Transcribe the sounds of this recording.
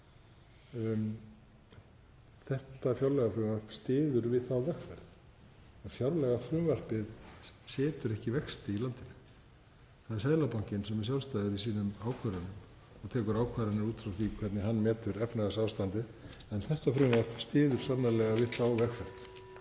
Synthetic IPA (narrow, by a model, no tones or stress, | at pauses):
θɛht̪afjawɾlɛɣafɾʏːmvar̥pst̪ɪːðʏɾvɪðθawvɛxfɛɾθ | ɛnfjawɾlɛɣafɾʏːmvar̥pɪðsɪːt̪ʏɾɛhcɪvɛkst̪ɪilant̪ɪnʏ̥ | θaðɪsɛðlapawɲ̥cɪnsɛmɛɾ̥sjalst̪ajðʏɾisiːnʏmaːwkʰvaɾʏnʏm | ɔɣt̪ʰɛːkʏɾaːwkʰvaɾɪnɪɾuːt̪fɾawθikʰvɛt̪nɪɦanːmɛːt̪ʏɾɛpnaɣasaːwst̪ant̪ɪ | ɛnθɛht̪afɾʏːmvar̥pst̪ɪːðʏɾ̥sanalɛɣavɪðθawvɛxfɛɾθ